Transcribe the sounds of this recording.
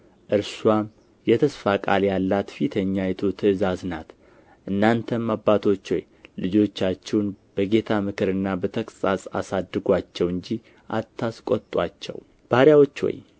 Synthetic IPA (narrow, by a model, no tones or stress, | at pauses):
ʔɨɾswam | jɛt̪ʰəsfakʼaljalːat̪fit̪ʰəɲːajɛt̪ʰot̪ʰɨɨzaznat̪ | ʔɨnːant̪ʰəmmːabːat̪ʰo̞t͡ʃːwɔ̰j | lɨd͡ʒo̞t͡ʃːat͡ʃːɛwnb̥əɡe̞t̪ʰamɨkʰɨɾɨnːabət̪ʰəkʼsʼasʼa̰sad̪ːɨɡʷat͡ʃːɛwɨɲd͡ʒi | ʔat̪ʰːaskʼot̪ʼwa̰t͡ʃːɛ̰w | b̥aɾjawo̞t͡ʃːwɔ̰j